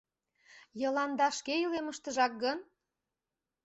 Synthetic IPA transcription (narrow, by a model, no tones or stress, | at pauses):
jɤ̆lɑnd̪ɑʃkejəleməʃt̪əʒɑk̚ɡən